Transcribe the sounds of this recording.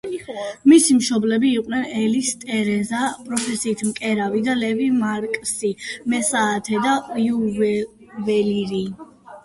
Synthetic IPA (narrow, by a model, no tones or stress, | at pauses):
misimʃɔblɛbiːqʼwnɛnɛlist̪ʼɛɾɛzapʼɾɔpʰɛsiːt̪ʰmkʼɛɾavid̪alɛvimaɾkʼsimɛsaːt̪ʰɛd̪ajuv | vɛliɾi